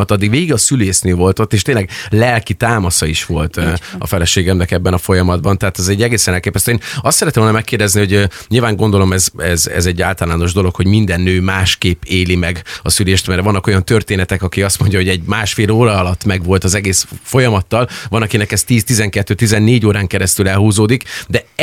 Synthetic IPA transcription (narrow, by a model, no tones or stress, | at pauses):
ɒt̪ɒd̪ːiɡʋeːɡiɡɒsyleːʃnøːvo̞lt̪o̞t̪ːeːʃt̪eːnlɛɡlɛlkit̪aːmɒsɒiʃʋo̞lt̪ːɒ̰fɛlɛʃeːɡɛmnɛkɛbːɛnɒfo̞jɒmɒd̪bɒnt̪ɛɦaːt̪ɛzɛɟːɛɡeːsɛnɛlkeːpɛst̪øeːnɒst̪sɛɾɛt̪ɛmvonmɛkːeːrd̪ɛzniho̞ɟɲilvaːŋɡo̞nd̪o̞lo̞mɛzɛzɛ̰zɛɟːaːlt̪ɒlaːno̞ʒd̪o̞lo̞kʰho̞ɟmind̪ɛnːøːmaːʃkeːpeːlimɛɡɒsyleːʃt̪mɛɾvɒnːɒko̞jɒnt̪ø̞rt̪eːnɛt̪ɛkɒkiɒst̪mo̞ɲɟɒɦo̞ɟɛɟmaːʃfeːloːɾɒɒlɒt̪ːmɛɡʋo̞lt̪ɒzɛɡeːsfo̞jɒmɒt̪ːɒlvɒnɒkinɛkɛst̪iːst̪izɛŋkɛt̪ːøːt̪izɛnːeːɟoːɾaːŋkɛɾɛst̪ylɛlhuːzoːd̪ikd̪ɛ